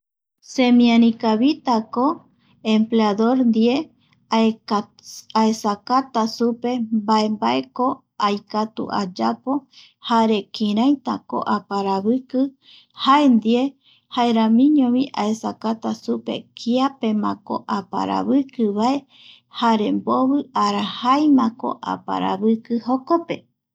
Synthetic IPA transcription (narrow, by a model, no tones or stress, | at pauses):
semĩãnĩkaβit̪ako | empleaðoɾnd̪ie | aesakat̪asupe̞mbaembaeko | ajkat̪ṵʔa̰d͡ʒapo̞ | haɾe̞kĩɾãjt̪ako̰ʔapaɾaβɨkɨ | haend̪ie | haeɾãmĩɲõβĩʔaesakat̪asupe̞̰kʰiapemãko̰ʔapa̰ɾa̰βɨkɨβae | haɾemboβɨaɾahajmãko̰ʔa̰pa̰ɾa̰βɨkɨhokope̞